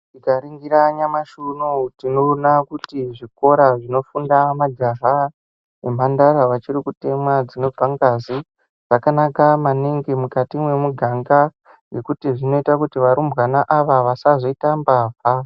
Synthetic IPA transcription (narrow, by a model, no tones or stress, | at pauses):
dikaɾiŋɡiɾaɲamaʃunotinonakutiʐiko̞ɾaʐino̞fundamad͡ʒaɦa | em̤andaɾaʋat͡ʃirikute̞mwad͡zineb͡vʱaŋɡazi | ʐ̥akanakamaniŋɡemukatimwe̞muɡʱaŋɡa | je̞kutiʐino̞itakutiʋaɾumbwanaʔaʋaʋasazo̞itambaːvʱa